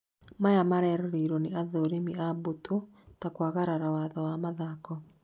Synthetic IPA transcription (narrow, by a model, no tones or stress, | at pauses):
majamaɾɛɾɔɾeːɾɔneaðoɾemiaboto | takwaɣaɾaɾawaðɔwamaðakɔ